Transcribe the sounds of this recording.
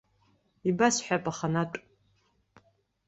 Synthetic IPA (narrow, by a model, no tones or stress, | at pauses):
ibasħʷᶣapʼaχanatʼ